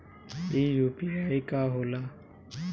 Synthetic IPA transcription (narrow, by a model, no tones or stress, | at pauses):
iːjuːpiajkaːɦoːlaː